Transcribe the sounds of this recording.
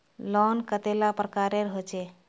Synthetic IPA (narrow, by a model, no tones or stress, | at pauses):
lɔnkət̪elapɾəkaɾeɾɦot͡ʃʰɛ